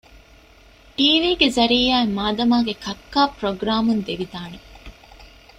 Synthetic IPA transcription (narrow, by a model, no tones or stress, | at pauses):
ʈiːʋiːɡezɐɾiːaːemaːd̪ɐmaːɡekɐkːaːpɾoɡɾaːmund̪eʋid̪aːne